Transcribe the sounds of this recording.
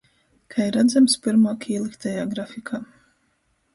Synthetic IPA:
kʰaiɾad̪zamspɨɾmaːkiːlˠikt̪ajaːɡɾafikʰaː

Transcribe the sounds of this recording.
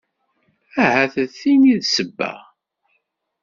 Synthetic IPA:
æɦæθəθiniðsəbːæ̰ʁ

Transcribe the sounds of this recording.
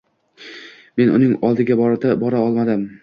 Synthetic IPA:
me̞nʊ̰nɪŋɒlˠd̪ɪɡʲabɒɾd̪abɒɾaɒlˠmad̪ɪm

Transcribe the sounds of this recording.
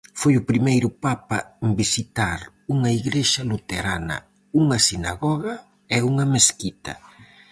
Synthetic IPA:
fojʊpɾimejɾʊpapɐmbisit̪aɾ | uŋɐiɣɾeʃɐlut̪eɾanɐ̰ | uŋɐsina̰ɣɔɣɐ | ɛuŋɐmeskit̪ɐ̰

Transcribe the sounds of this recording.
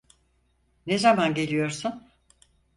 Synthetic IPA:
nezamanɟe̞lʲijo̞ɾsun

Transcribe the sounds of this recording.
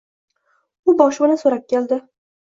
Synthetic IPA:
ʊbɒʃbɪlansoɾap̚kʲʰeld̪ɪ

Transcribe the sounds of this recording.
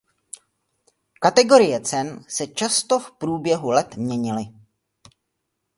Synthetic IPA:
kat̪ɛɡo̞ɾɪjɛt͡sɛnsɛt͡ʃast̪o̞fpɾuːbjɛɦulɛt̪mɲɛɲɪlɪ

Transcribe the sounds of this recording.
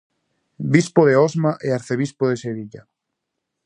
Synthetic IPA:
bispoðeɔzmaʔeaɾθeβ̞ispoðeseβiʎa̰

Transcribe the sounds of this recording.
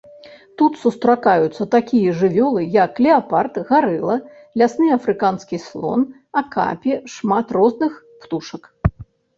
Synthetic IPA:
t̪ut̪sust̪ɾakajut̪sːɐt̪akʲijɐʐɨvʲɔlˠɨjɐkːlʲɛapart̪ɣaɾɨlˠɐ | lʲasnɨjafɾɨkanskʲislˠɔ̰n | ɐka̰pʲiʂmat̪rɔznɨx | pt̪uʂɐk

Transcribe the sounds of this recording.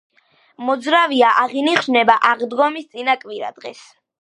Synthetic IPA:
mɔd̪zɾaviaʔaʁiniχʃnɛbaʔaʁd̪ɡɔmist̪sʼinakʼviɾa̰d̪̥ʁɛs

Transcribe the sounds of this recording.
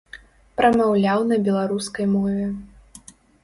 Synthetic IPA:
pɾɐmawlʲawnɐbʲɛlˠaɾuskɐjmɔvʲɛ

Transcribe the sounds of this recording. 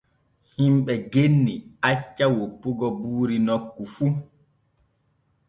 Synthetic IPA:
himɓɛɡenːiat͡ʃːawopːuɡɔbuːɾinɔkːufu

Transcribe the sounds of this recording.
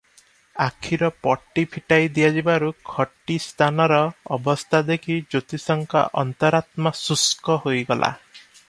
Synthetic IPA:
akʰiɾɔpɔʈːipʰiʈajd̪ijad͡ʒibaɾukʰɔʈːist̪ʰanɔɾɔːbɔst̪ʰad̪ekʰid͡ʒot̪isɔŋka̰ʔɔnt̪ɔɾat̪mɔsuskɔɦojɡɔlʔa̰

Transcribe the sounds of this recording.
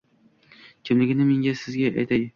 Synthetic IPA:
kʲʰɪmlɪɡʲɪnɪmeŋɡʲasɪzɡʲaʔajt̪aj̪ɪ

